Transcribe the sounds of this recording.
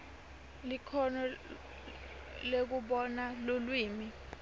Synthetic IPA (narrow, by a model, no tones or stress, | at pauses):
likʰɔnɔ | lek̬uɓɔnalolwiːmi